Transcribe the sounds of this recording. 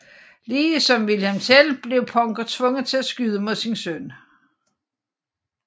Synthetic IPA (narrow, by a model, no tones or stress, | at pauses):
liːsɒ̽mʋilhæmsel̰b̥le̝ʊpʰɒ̽ŋɡ̥ɐt͡sʰʋɔ̽ŋð̩ˠt͡sʰe̝læsɡ̥yð̞ˠəmoðˠsinsøn